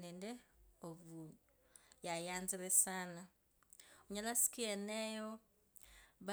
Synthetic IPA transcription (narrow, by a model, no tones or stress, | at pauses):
nɛndɛoβundu | jajanziɾɛsana | uɲalasi̥kiɛnɛjo | βa